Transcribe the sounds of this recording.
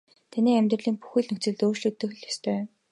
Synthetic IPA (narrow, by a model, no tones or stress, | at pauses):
t̪ʰæniːæmʲt̪rə̆ɮiːŋpu̥xĭːɮnɵkt͡sɘ̆ɮt̪oːrʃɮɵ̆k̚t̪ɵ̆x̆ɮjast̪ʰœː